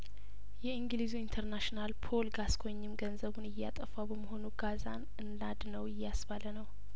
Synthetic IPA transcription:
jɛiŋɡlizuint̪ʰəɾnaʃinalpʰo̞lɡaskʰoɲːɪmɡənzəβunɨjːa̰t̪ʼəfawbəməɦo̞nuɡaza̰n | ɨndad̪nəwɪjːasβalənəw

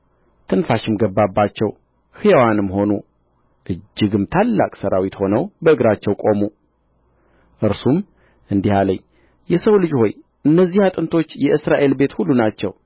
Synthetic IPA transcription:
t̪ʰɨnfaʃɪmɡəbːabːat͡ʃːɛw | hɨjawanɨmɦo̞nu | ʔɨd͡ʒːɨɡɨmt̪ʰalːa̰kʼsəɾawit̪ho̞nəwbəɨɡɾat͡ʃːɛwkʼo̞mu | ʔɨɾsum | ʔɨnd̪ihaləɲː | jɛsəwlɨd͡ʒho̞j | ʔɨnːəzːihat̪ʼɨnt̪ʰo̞t͡ʃːjɛʔɨsɾaʔe̞lbe̞t̪hulːunat͡ʃːɛ̰w

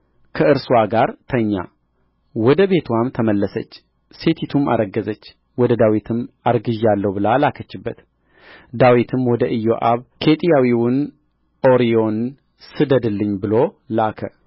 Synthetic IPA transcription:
kʰəɨɾswaɡaɾt̪ʰəɲːa̰ | wɔd̪əβe̞t̪ʰwamt̪ʰəməlːəsət͡ʃː | se̞t̪ʰit̪ʰuma̰ɾəɡːəzət͡ʃː | wɔd̪əd̪awit̪ʰɨmaɾɡɨʒalːəwbɨlalakʰət͡ʃːɨbːət̪ | d̪awit̪ʰɨmwɔd̪əʔɨjːoʔaβkʰe̞t̪ʼijawiwʊn | ʔo̞ɾijo̞n | sɨd̪əd̪ɨlːɨɲːbɨlo̞ | lakʰə

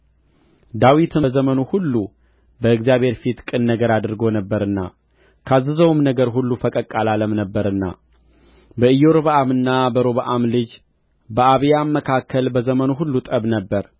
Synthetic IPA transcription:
d̪awit̪ʰɨzəmənuhulːu | bəɨɡzijaβhe̞ɾfit̪kʼɨnːəɡəɾad̪ɾɡo̞nəbːəɾɨnːa̰ | kʰazɨzəwmnəɡəɾɦulːufəkʼəkʼːalaləmnəbːəɾɨnːa̰ | bəɨjoɾβaʔamɨnːabəɾo̞βaʔamlɨd͡ʒ | bəʔaβjamːəkʰakʰːəlbəzəmənuɦulːut̪ʼəβnəbːəɾ

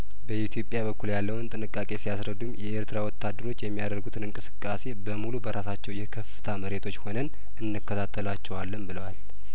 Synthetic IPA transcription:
bəʔit̪ʰjo̞pʼjaβəkʰːuljalːəwɨnt̪ʼɨnɨkʼːakʼe̞sijasɾəd̪ːumjɛʔeɾt̪ɨɾawɔt̪ːad̪ːəɾo̞t͡ʃːjɛmːijad̪əɾɡut̪ʰɨnɨŋkʼɨsɨ̥kʼːase̞bəmulubəɾʔasat͡ʃːɛwjɛkʰəfɨ̥t̪ʰaməɾe̞t̪ʰo̞t͡ʃːho̞nən | ɨnːɨkːət̪ʰat̪ʰːəlat͡ʃːɛwalːəmbɨləwal

